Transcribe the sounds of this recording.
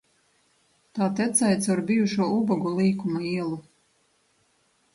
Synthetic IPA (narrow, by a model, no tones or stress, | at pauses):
t̪aːt̪ɛt̪sajt̪saɾbijuʃuɔubɔɡulˠiːkumaiɛlˠu